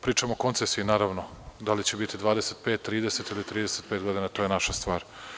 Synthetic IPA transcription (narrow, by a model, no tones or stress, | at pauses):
pɾiːt͡ʃamooko̞nt̪sesiinaːɾaʋnod̪alit͡ɕebit̪id̪ʋaːd̪e̞set̪pet̪ːɾiːd̪eset̪ilit̪ɾiːd̪eset̪peːt̪ɡo̞d̪inat̪ojenaʃast̪ʋaːɾ